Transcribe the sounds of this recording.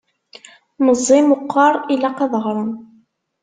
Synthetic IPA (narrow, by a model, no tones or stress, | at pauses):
məzˤːimʊqːɑɾˤilæqɑðˤʁɾˤən